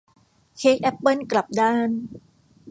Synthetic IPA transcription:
kʰeː˦˥k̚ʔɛ˦˥pːɤ˥˩nkla˨˩p̚daː˥˩n

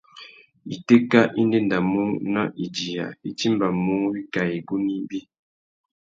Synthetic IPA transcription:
i˨te˦ka˦ʔi˦nde˦nda˨mu˦na̰˦ʔi˨d͡ʒi˨ja̰˨i˦t͡ʃi˦mba˨mu˦wi˦ka˨i˨ɡu˦ni˦bi˦

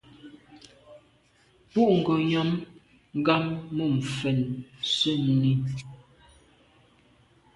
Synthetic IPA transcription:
pu˦ʔŋ̩˨ɡo˨ɲɔ˨˦m | ŋ˦ɡa˦mːə˦˨m̩˨fɛ˨nsə˦˨n˨ni˦

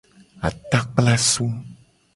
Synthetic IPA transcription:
a̰˨t̪a˦k͡pla˦su˦

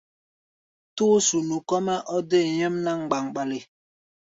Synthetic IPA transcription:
tuː˦su˨nu˨kɔ˦mɛ˦ʔɔ˦de˦˨ɲɛ˦mna˦˨ŋ̩˨ɡ͡ba˨ŋ˨ɓa˨li˨

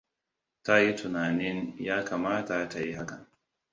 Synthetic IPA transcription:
ta˦ji˦tʊ˨naː˨nɪ˦njaː˦ka˨maː˦ta˨ta˨ji˦ha˦ka˨

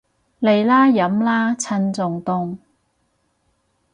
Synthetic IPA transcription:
le˨jlaː˥jɐ˨˥mlaː˥t͡sʰɐ˧nt͡sʊ˨ŋt̪ʊ˧ŋ

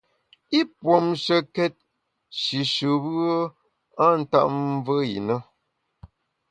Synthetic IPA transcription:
i˦pwo˨mʃə˨kɛ˦t̚ | ʃi˨ʃə˨bə˦ | a˦n̩˦˨ta̰˦ʔvə˦jḭ˨nə˦

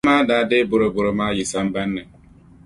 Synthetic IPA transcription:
maː˦daː˦de˦bo˨ɾo˨bo˨ɾo˨ma˦ji˨sa˦m˦ba˦nːɛ˨

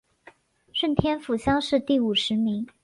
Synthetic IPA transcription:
ʂə˥˩nt̪ʰjɛ˥nfu˨˩ɕjɑ˥ŋʂɻ̩˥˧t̪i˥˩u˨˩ʂɻ̩˧˥mi˧˥ŋ

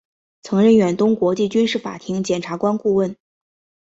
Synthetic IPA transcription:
t͡sʰɤ˧˥ŋɻə˥˩nɥɛ˨˩nt̪ʊ˥ŋkwɔ˧˥t͡ɕi˥˩t͡ɕy˥nʂɻ̩˥˩fa̰˨˩t̪ʰi˧˥ŋt͡ɕjɛ˨˩nʈ͡ʂʰa˧˥kwa˥nku˥˧wə˥˩n

